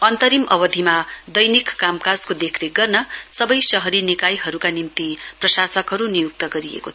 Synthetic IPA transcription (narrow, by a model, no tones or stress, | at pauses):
ʌnt̪ʌɾimʌbʌd̪ʱimad̪ʌjnikːamkad͡zkod̪ekʰneɡʌrnʌsʌbʌjsʌɦʌɾinikajɦʌɾukanimt̪iprʌsasʌkɦʌɾunijuk̚t̪ʌɡʌɾiḛkot̪ʰ